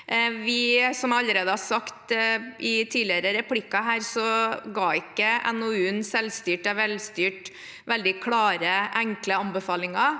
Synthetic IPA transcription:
ʋɪsɔmɑlːəɾeːd̪əhɑsɑkt̪ɪt̪ʰiːlɪəɾəɾɛpʰlɪkːɑɦæːɾsɔɡɑːɪkːəɛ̰nɔʉːnsɛlst̪yːʈɛʋɛlst̪yːʈ | ʋɛld̪ɪkʰlɑːɾəʔæŋkləɑnbəfɑːlɪŋɑ

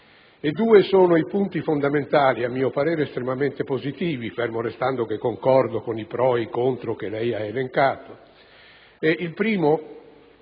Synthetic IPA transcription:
ed̪ːuːesoːnoipunt̪ifond̪ament̪aːliamːiːopaɾeːɾeːst̪ɾemament̪epozit̪iːvifermoɾest̪and̪okekːoŋkɔrd̪okonipɾɔːikont̪ɾokelɛjaeleŋkaːt̪o | ɛʔilpɾiːmo

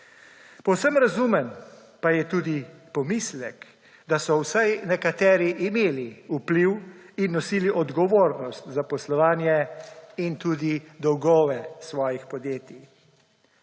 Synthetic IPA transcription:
pɔwsəmɾazuːmɛn | pajɛt̪uːd̪ipɔmislɛ̰k | d̪asɔwsajnɛkat̪ɛːɾiʔimeːliupliwinːɔsiːliʔɔd̪ɡɔʋoːɾnɔst̪zapɔslɔʋaːnjɛint̪uːd̪id̪ɔwɡɔːʋɛsʋɔːjixpɔd̪jeːt̪i

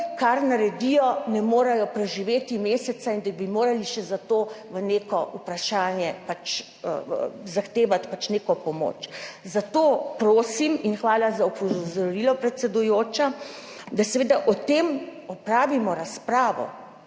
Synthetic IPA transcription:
kaɾnaɾɛd̪ijɔnɛmoːɾajɔpɾɛʒiʋeːt̪imeːsɛsaind̪abimoːɾaliʃɛzat̪oːʋəneːkɔʔupɾaʃaːnjɛpat͡ʃː | zaxt̪eːʋat̪pat͡ʃneːkɔpɔmo̰ːt͡ʃzat̪oːpɾoːsiminxʋaːlazaɔpɔzɔɾilɔpɾɛt̪sɛd̪ujoːt͡ʃad̪asɛʋeːd̪aʔɔt̪eːmɔpɾaːʋimɔɾaspɾaːʋɔ̰

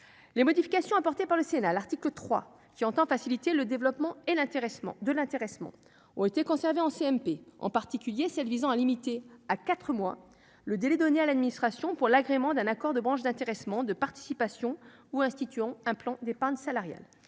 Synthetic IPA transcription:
lemɔd̪ifikasjɔ̃apɔʁt̪epaʁləsenalaʁt̪iklət̪χwa̰ | kʲiɑ̃t̪ɑ̃fasilit̪eləd̪evlɔpmɑ̃elɛ̃t̪eʁɛm̰̃d̪əlɛ̃t̪eʁɛsmɑ̰̃ | ɔ̰̃et̪ekɔ̃sɛʁveɑ̃seɛmpeɑ̰̃paʁt̪ikʲyljesɛlvizɑ̃alimit̪eakat̪χəmwa̰ | ləd̪elɛd̪ɔnealad̪minist̪χasjɔ̃puʁlaɡʁemɑ̃d̪ɛ̃nakɔʁd̪əbʁɑ̃ʃd̪ɛ̃t̪eʁɛsmɑ̃d̪əpaʁt̪i̥sipasjɔ̃ | uɛ̃st̪it̪yɑ̃ɛ̃plɑ̃d̪epaʁɲsalaʁja̰l

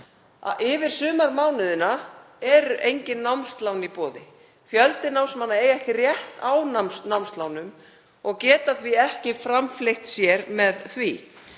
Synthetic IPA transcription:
a̰ɪvɪɾ̥sʏːmaɾmawnɪðɪna | ɛɾʏʔejɲcɪnːawmst̪lawnipɔːðɪ | fjœlt̪ɪnawmsmanːaeːjɛhcɪrjɛht̪awnasnawmst̪lawnʏm | ɔɣcɛːt̪aθviɛhcɪfɾamflejht̪sjɛɾmɛðθvi

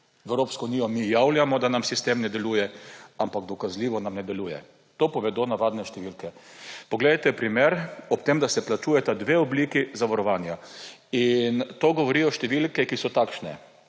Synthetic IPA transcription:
ʋɛwɾoːpskɔuniːjɔmijawljamɔd̪anamsist̪emnɛd̪ɛluːjɛampaɡd̪ɔkazliːʋɔnamnɛd̪ɛluːjɛ̰ | t̪opɔʋɛd̪onaʋaːd̪nɛʃt̪ɛʋilkɛpɔɡleːd̪at̪ɛpɾimeɾɔpt̪emd̪asɛplat͡ʃuːjɛt̪ad̪ʋeːɔblikizaʋaɾɔʋaːnjaint̪oɡɔʋɔɾiɔʃt̪ɛʋilkɛkisɔt̪akʃnɛ

